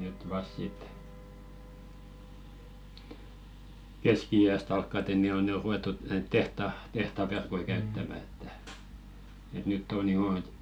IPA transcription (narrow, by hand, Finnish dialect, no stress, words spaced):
nyt ʋɑst̆ sit keskiiæst ɑlkːɑte ni o ne o ruetːut næit tehtɑ tehtɑ ʋerkoi kæytːæmæ etːæ et nytː on joː et